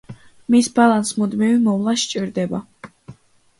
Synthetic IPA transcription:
misbalˠansmud̪mivimɔvlˠaʃt͡ʃʼiɾd̪ɛba

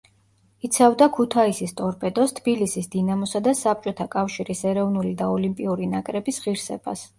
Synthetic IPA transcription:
it̪sʰavd̪akʰut̪ʰaisist̪ʼɔɾpʼɛd̪ɔst̪ʰb̥ilisisd̪inamɔsad̪asap̚t͡ʃʼɔt̪ʰakʼafʃiɾisɛɾɔvnulid̪aɔlimpʼiuɾinakʼɾɛbisʁiɾsɛ̰b̥a̰s

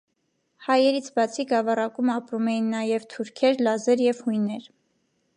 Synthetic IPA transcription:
hɑjɛɾit͡sʰbɑt͡sʰiɡɑvɑrɑkumɑpɾumɛjinːɑjɛvt̪ʰuɾkʰɛɾlɑzɛɾjɛvhujnɛɾ

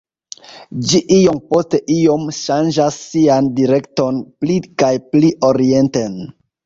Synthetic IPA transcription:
d͡ʒiʔijo̞mpo̞ste̞ʔijo̞mʃand͡ʒasːiandiɾe̞kto̞nplikajpliʔo̞ɾie̞nten

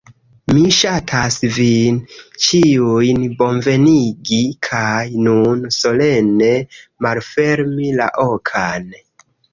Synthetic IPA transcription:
miʃatʰasvint͡ʃiujnbo̞nve̞niɡikʰajnunso̞le̞ne̞malfe̞ɾmila̰ʔo̞kʰan

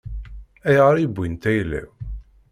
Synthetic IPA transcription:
æjʁəɾibʷːint̪æjlːæ̰w

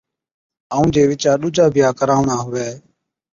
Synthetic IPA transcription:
aũːd͡ʒeːʋɪt͡ʃaːɗʊːd͡ʒaːbʱɪjaːkəɾaːʋɳaːɦʊʋɛː

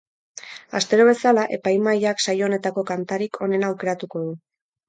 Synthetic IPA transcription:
a̰st̪e̞ɾo̞β̞e̞salaʔe̞pajmajaksajo̞ne̞t̪ako̞kant̪aɾikʰo̞ne̞nawke̞ɾat̪uko̞ðu

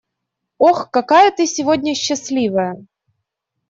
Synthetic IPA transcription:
oxkɐkajət̪ɨsʲɪvodʲnʲəɕːɪsʲlʲivəjə

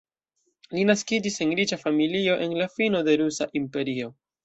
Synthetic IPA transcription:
linaskid͡ʒise̞nɾit͡ʃafamilio̞ʔe̞nlafino̞de̞ɾusaʔimpe̞ɾio̞

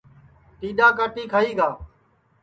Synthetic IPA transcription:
ʈiːɗaːk̬aːʈiːkʰaːiːɡaː

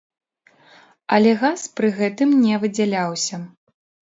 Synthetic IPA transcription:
ɐlʲɛɣaspɾɨɣɛt̪ɨmnʲɛvɨd͡zʲalʲawsʲɐ

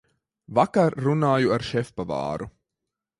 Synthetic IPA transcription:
vakaɾːunaːjuaɾʃɛfpava̰ːɾu

